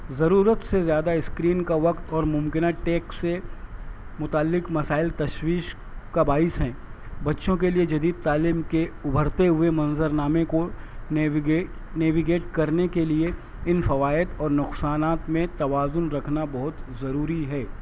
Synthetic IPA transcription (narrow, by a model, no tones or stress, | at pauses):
zɐɾuːɾət̪sezjaːd̪aɪskɾiːnkaʋɐqt̪ɔːɾmʊ̃mkɪnaʈeːksːe | mʊt̪aːlːɪkmɐsaːɪlt̪ɐʃwiːʃ | kabaːɪsɦɛ̃ːbɐtːʃõk̬elied͡ʒɐd̪iːd̪̚t̪aːliːmkeʊbʱəɾt̪eɦʊemɐ̃nzəɾnaːmẽko | neːʋiɡeːʈkɐɾnekelie | ɪnfɐʋaːɪd̪ɔːɾnʊqsaːnaːt̪mẽt̪ɐʋaːzʊnɾɐkʰnabɐɦʊt̪zɐɾuːɾiɦɛː